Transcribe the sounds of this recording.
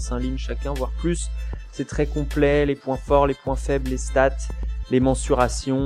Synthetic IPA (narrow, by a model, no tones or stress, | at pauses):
sɛ̃linʃakʲɛ̃vwaʁplyssɛt̪χɛkɔ̃plɛlepwɛ̃fɔʁlepwɛ̃fɛbllest̪at̪lemɑ̃syʁasjɔ̃